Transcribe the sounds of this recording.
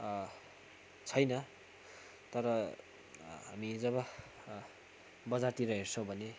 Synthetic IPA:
t͡sʰʌjnʌ | t̪ʌɾʌ | ɦamid͡zʌβʌ | bʌd͡zart̪iɾʌɦersʌ̃w̃bʱʌne

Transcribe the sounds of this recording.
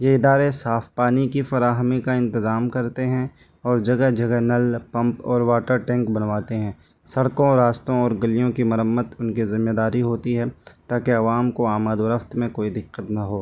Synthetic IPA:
jeɪd̪aːɾesaːfpaːnikifɐɾaːɦmikaɪ̃nt̪ɪzaːmkɐɾt̪eɦɛ̃ | ɔːɾd͡ʒɐɡɛɦd͡ʒɐɡɛɦnɐlpɐ̃mpɔːɾʋaːʈəɾʈɛ̃ːŋkbɐnʋaːt̪eɦɛ̃ː | sɐɽkõɾaːst̪õɔːɾɡɐlijõkimɐɾəmːət̪ʊnkizɪmːjed̪aːɾiɦoːt̪iɦɛt̪aːkeɐʋaːmkoaːmaːd̪ʋəɾəft̪mẽkoːid̪ɪqːət̪nɐɦoː

